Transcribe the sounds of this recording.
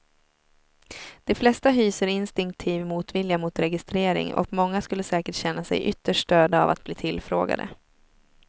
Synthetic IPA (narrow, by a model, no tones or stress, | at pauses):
d̪̥ɛflɛst̪aɦyːsəɾɪnst̪ɪŋk̚t̪ʰiːvmuːt̪vɪljamuːt̪ɾɛɡɪst̪ɾeːɾɪ̰ŋɔ̰kmɔŋːaskɵlːəsɛːkəʈɕɛnːasɛ̰jʔʏt̪ːəʂʈøːd̪aa̰va̰t̪̚bliːt̪ʰɪlfɾo̰ːɡa̰d̪ə̰